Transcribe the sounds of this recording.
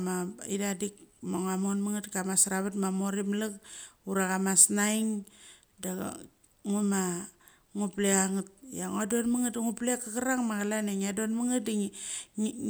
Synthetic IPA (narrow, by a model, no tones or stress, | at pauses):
maidadik̚moŋamonmaŋatkamasɾaβatmamoɾimlakuɾakamasnajŋ | da̰ | ŋuma | ŋuplekaŋut̚jaŋuadonmaŋatŋuplekːakaɾaŋmakalaneŋadonmaŋit̚di